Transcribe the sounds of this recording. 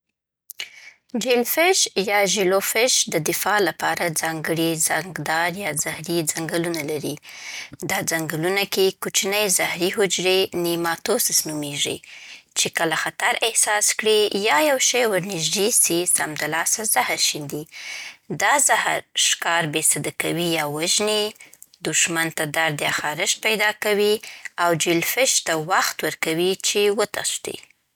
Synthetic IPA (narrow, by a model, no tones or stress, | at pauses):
d͡ʒɪlfɪʃjɑʒilofɪʃd̪əd̪ɪfɑlapɑɾad͡zɑŋɡəɽizaŋɡd̪ɑɾjɑzahɾid͡zaŋɡəlunalaɾid̪ɑd͡zaŋɡəlunakekut͡ʃnəjzahɾiɦʊd͡ʒɾenimɑt̪osɪsnumeʐḭt͡ʃekəlaxat̪aɾɪhsɑskɽijɑjawʃajwaɾnɪʒd̪isisamd̪alɑsazahɾʃind̪id̪ɑzahaɾʃkɑɾbesad̪akawijɑwaʒnid̪uʃmant̪ad̪aɾd̪jɑxɑɾɪʃ̚pajd̪ɑkawiawd͡ʒɪlfɪʃt̪awaxt̪wəɾkawit͡ʃewət̪a̰st̪ḭ